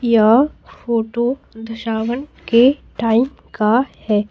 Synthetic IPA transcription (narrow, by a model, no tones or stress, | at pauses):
jafoːʈod̪ʱɐʃaːʋənkeʈaːɪm | kahɛː